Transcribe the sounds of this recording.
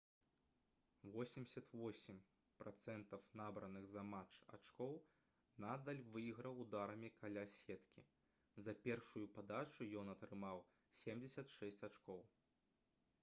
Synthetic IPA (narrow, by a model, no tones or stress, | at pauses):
vɔsʲimʲsʲɐt̪vɔsʲimʲ | pɾat̪sɛnt̪ɐfnabɾɐnɨɣzɐmat͡ʂa̰t͡ʂkɔw | nad̪ɐlʲvɨjiɣɾɐwd̪aɾɐmʲikʰalʲasʲɛt̪kʲḭ | zɐpʲɛrʂujupad̪at͡ʂujɔnɐt̪ɾɨmaw | sʲɛmd͡zʲɛsʲɐt̪ʂɛsʲt͡sʲat͡ʂkɔw